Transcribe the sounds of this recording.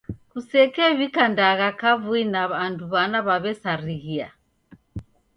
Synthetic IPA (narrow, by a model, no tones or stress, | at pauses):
kusɛkɛβikandaɣakavuinaβanduβanaβaβɛsaɾiɣia̰